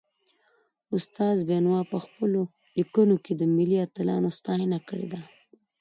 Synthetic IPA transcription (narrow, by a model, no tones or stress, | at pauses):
ʊst̪ɑzbenwɑpəxpəlo | likunoked̪əmɪliat̪ɪlɑ̰nost̪ɑhɪnakəɽḛd̪a